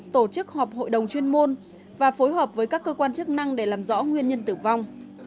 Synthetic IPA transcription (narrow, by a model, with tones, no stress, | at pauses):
t̪o˧˩t͡ɕɨ˦˥k̚hɔ˨˩p̚ho̰˧˨jɗə˨˩wŋ͡mt͡ɕwi˧ənmo˧n | vaː˨˩fo˨˦jɦəː˨˩p̚vəː˨˦jkaː˦˥kːəː˧kwaː˧nt͡ɕɨ˦˥k̚na˧ŋɗe˧˩laː˨˩mzɔ̰˧˥ŋwi˧ənɲə˧nt̪ɨ˧˩va˧wŋ͡m